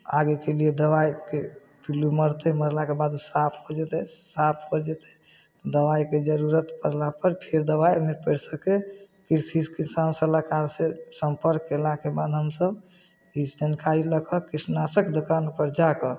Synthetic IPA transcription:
aɡekelijed̪əwajke | piluməɾt̪ɛməɾlakebad̪usapʰhod͡ʒet̪ɛsapʰɦod͡ʒet̪ɛ̥t̪ɔd̪əwajked͡ʒəɾuɾət̪pəɾlapəɾpʰeɾd̪əbajmepəɽsəke | kiɾsiskisansəlakaɾsesəmpəɾkːelakebad̪ɦəmsəb | isd͡ʒənkaɾiləkʰəkɾisnatəkd̪okanpəɾd͡ʒakɔ

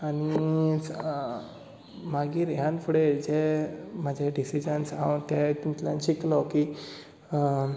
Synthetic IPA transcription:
aɽ̃i | maɡiːɾɦjãnfʰuɽed͡ʑemad͡ʑʱaɖisid͡ʑənsawt̪jet̪ĩt̪la̰nɕiklɔki

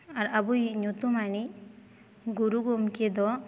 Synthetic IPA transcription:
aɾabujɲot̪umani | ɡuɾuɡomked̪ɔ

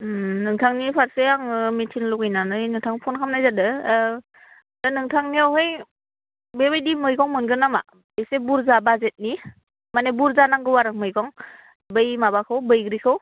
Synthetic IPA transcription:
nɯŋtʰaŋnipʰaɾseaŋmetʰinlukɯjnanɯnɯŋtʰaŋpʰɔnkʰamnajzadɯ | dɯnɯŋtʰaŋniawɦɯj | bebɯjdimɯjkʰɔŋmɯnɡɯnama | besebuɾzabazet̚ni | manebuɾzanaŋɡɯwaɾɯk̚mɯjkɔŋ | bɯjmabakʰɯwbɯjɡɾikʰɯw

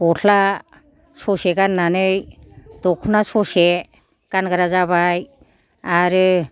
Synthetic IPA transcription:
ɔtʰla | sɔseɡanːanɯjdɔkʰunasɔse | kanɡaɾazaβaj | aɾɯ

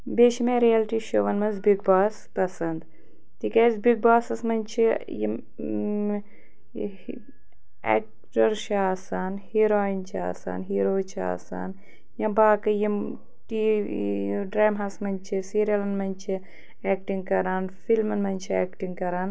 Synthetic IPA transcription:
beːʃimeɾijaːlʈiːʃoːʋɐnmɐnzbiɡ̚baːspɐsɐnd̪ | t̪ikɐzbiɡ̚baːsɐsmɐnʲt͡ʃʰi | jḭm | ɛ̰ːk̚ | ʈɐɾʃaːsaːnhiɾoːint͡ʃʰia̰ːsa̰ːnɦiɾoːt͡ʃʰia̰ːsa̰ːn | jɐ̃baːkɐjim | ʈi | ɖɾaːmɦɐsmɐnʲt͡ʃʰisiːɾijɐlɐnmɐnʲt͡ʃʰi | eːk̚ʈiŋɡ̚kɐɾaːnfilmɐnmɐnʲt͡ʃʰiḛːkʈiŋɡkɐɾaːn

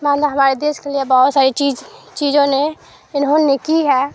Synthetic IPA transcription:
mãnd̪aɦəmaːɾed̪eːʃkeliebəɦʊt̪saːɾit͡ʃid͡ʒt͡ʃid͡ʒõne | ɪnɦõnekiɦɛ

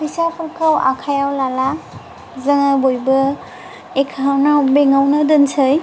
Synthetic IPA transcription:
bisapʰuɾkʰawa̰kʰajawlala | zɯŋabojbɯ | ekʰaawnawbeŋawnɯdɯnsɯj

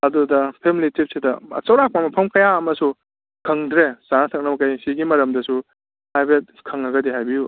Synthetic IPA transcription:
ɐdudɐpʰemilitip̚sidɐɐ̰t͡ʃɐwɾak̚pamɐpʰɐmkɐjaɐmɐsu | kʰɐŋdɾesaŋɐsʰɐk̚nɐmɐkajsiɡimɐɾɐmdɐsu | pajbet̚kʰɐŋɐɡɐdiɦajbiju

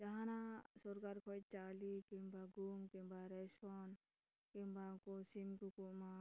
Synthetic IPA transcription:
d͡ʒaɦãnãsuɾkaɾkʰoit͡ʃaːlikimbaɡumkimbaɾɛson | kimbakosimkukuma

